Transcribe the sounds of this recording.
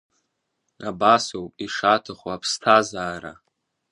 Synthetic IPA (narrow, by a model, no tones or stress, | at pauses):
abasowpʼiʂatʰaχwapʰstʰazaːɾa̰